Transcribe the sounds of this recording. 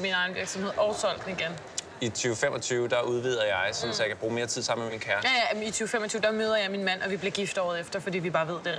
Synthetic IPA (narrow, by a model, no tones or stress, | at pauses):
minɑ̈ɪnʋiɐɡ̥sɒ̽mhe̝ð̰ˠɒʊsʰɒ̽l̰ɡ̥niɡ̥en | it͡sʰyːʊfemɒ̽t͡sʰyːʊd̥ɑ̈uð̞ˠʋið̞̰ˠɐjɑ̈ɪsɔnsjäɪkʰæb̥ʁuːme̝ːɐt͡sʰið̰ˠsɑ̈m̰nmeminkʰæɐjjæit͡sʰyːʊfem̰ɒt͡sʰyːʊd̥ɑ̈møːð̞ˠɐjɑ̈ɪminmæn̰ɒ̽ʋib̥leɐɡ̥ifd̥ɒ̰ːð̩ˠefd̥ɐfɒ̽d̥ḭːʋib̥ɑ̈ːʋe̝ð̰ˠd̥e̝